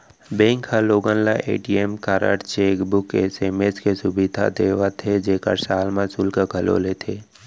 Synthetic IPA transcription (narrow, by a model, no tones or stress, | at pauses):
bẽːŋkʰhaloːɡə̃nlaʔḛːʈiemkaːɾə̰ʈt͡ʃeːkbʊkeseːmeskesʊbid̪ʱa̰d̪eːʋat̪ʰed͡ʒeːkə̰ɾsaːlmãsʊlkəɡʱəlo̰ːlet̪ʰeː